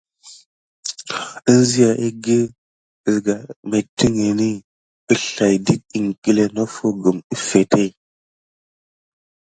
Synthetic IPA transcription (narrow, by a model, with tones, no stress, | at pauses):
ə˦n˦zi˦ja˨ʔi˦ɡe˦˨ | zɡa˨me˨ti˦ŋe˨ni˦ | ə˦ɬa˨jdi˦k̚i˨ŋki˦le˨no˦fo˦ɡə˨mi˦fe˨tʰe˦i˨